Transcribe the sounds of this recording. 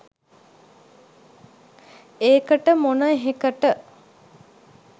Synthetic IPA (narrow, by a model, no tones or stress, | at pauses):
eːkəʈəmonəeɦekəʈə